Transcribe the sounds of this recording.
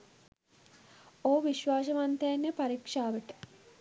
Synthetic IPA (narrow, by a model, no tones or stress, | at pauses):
oːʋiʃʋaːs̬əmant̪əjanːjepaɾikʂaːʋəʈə̥